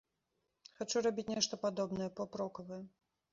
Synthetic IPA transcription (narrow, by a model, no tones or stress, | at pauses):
xat͡ʂuɾabʲit͡sʲnʲɛʂt̪ɐpad̪ɔbnɐjɛpɔpɾɔkɐvɐjɛ